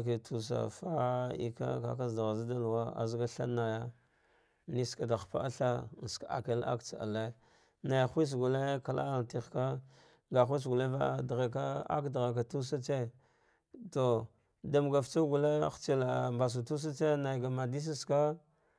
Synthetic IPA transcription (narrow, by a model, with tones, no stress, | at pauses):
ke˨tʰu˨s̬a̰˨fa˦ḭ˨ka̰˦ka̰˦ka˦zda˨ɣa˨za˦da˦lu˨wa˦a̰˨zɡa˦ɬa̰˦na˨ja˦ | ni˦ska˨da˨xpa̰˦ʔa˦ɬa˦˨ska˨a̰˨ka˦la̰˦kt͡sa˨a̰˨le˦ | na˨jxʷi˦s̬ɡu˨le˦ka˨la̰˦a˨ti˦xka˦ | ŋɡa˨xʷi˦s̬ɡu˨le˦va˦dɣe˨ka˦a̰˦kdɣe˨k̬a˨tu˦s̬a˦t͡ʃe˦ | to˨ | da˨m˨ɡa˨ft͡sa˦ɡu˨le˦xt͡si˨la˨mba˨s̬u˨tu˦s̬a˦t͡se˦na˨jɡa˨ma˨di˦s̬a˦ska˦